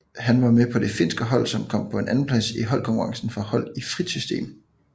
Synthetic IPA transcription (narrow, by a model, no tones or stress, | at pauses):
ɦænʋɑ̈mepʰɒ̽d̥e̝fe̝nsɡ̥əɦɒ̽l̰sɒ̽mkʰɒ̽m̰pʰɒ̽e̝nʔæn̩pʰlæsiɦɒ̽l̰kʰɒ̽ŋkʰuʁɑ̈ŋsn̩fɒ̽hɒ̽l̰ifʁid̥sysd̥e̝̰ːm